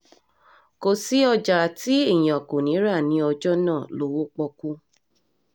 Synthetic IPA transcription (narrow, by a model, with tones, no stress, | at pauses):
ko˨si˨˦ɔ˧d͡ʒa˨ti˦e˦˨j̃ɔ̃˨ko˨nĩ˨˦ɾa˦˨nĩ˨˧˦ɔ˧d͡ʒɔ˦nãː˦˨lo˨˦wo˦k͡pɔ˧ku˦